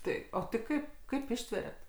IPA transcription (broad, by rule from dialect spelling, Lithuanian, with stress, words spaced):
ˈtɐɪ ˈoː tɐɪ ˈkɐɪp ˈkɐɪp ˈɪʃʲtʲʋʲɛrʲɛt